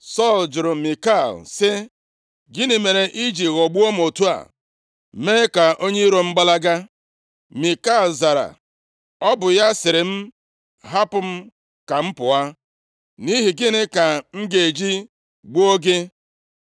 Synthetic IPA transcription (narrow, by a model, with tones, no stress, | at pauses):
sɔ˦˨ld͡ʒʊ˨ɾʊ˨mi˨ka˦˨lsɪ˦ | ɡɪ˦nɪ˨me˨ɾe˨ʔi˦d͡ʒi˨ɣo˨ɡ͡bu˦o˦m˨o˨tu˦a̰˨ | me˦ka˨ʔo˦ɲe˦i˦ɾo˨ŋ͡m̩˦ɡ͡ba˦la˦ɡa˦ | mi˨ka˦˨lza˨ɾa̰˨ | ɔ˦bʊ˨ja˦sɪ˨ɾɪ˨m̩˦ | ɦa˦pʊ˨m̩˦ | ka˨m̩˦pʊ˨a˦ | ni˦ɦi˨ɡɪ˦nɪ˦ka˨ŋ̩˦ɡe˨d͡ʒi˦ | ɡ͡bu˦o˦ɡe˦